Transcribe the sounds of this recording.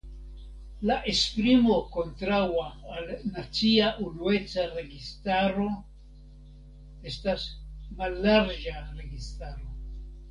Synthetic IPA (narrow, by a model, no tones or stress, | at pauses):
laʔespɾimo̞ko̞ntɾawaːlnat͡siaʔunue̞t͡saɾe̞ɡistaɾo̞ | e̞stasmalːaɾd͡ʒaɾe̞ɡistaɾo̞